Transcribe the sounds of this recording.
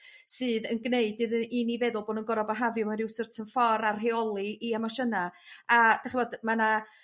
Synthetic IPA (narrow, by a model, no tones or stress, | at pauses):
sɨːðənɡneɨdɨðinivɛðʊlˠboːdənɡɔɾɔbaɦavjʊmaɾɪwsɨrtʰənfɔɾarɦeɔlˠiiamaʃənaad̥ɛχivoːdmana